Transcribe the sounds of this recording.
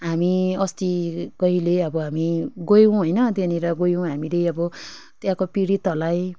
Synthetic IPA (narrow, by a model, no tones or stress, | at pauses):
ɦamiʌst̪iɡʌɦileʌbʌɦamiɡojuw̃ɦojnʌt̪jeniɾʌɡojõw̃ɦamilejʌbʌ | t̪jãkopiɾit̪ʌlaj